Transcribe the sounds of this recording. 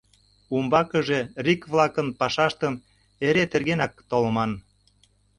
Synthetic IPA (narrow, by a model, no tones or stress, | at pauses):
umbɑkə̆ʒe̽rikβlɑkənpɑʃɑʃt̪əm | eɾet̪erɣenɑk̚t̪oləmɑn